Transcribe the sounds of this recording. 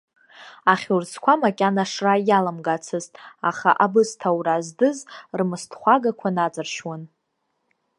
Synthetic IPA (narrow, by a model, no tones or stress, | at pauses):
aχʲursʰkʷʰamakʲʼanaʂrajalamɡat͡sʰɨztʼaχa̰ʔabɨstʰawrazdɨzrmɨstʰχʷaɡakʷʰanat͡sʼɨrʃwan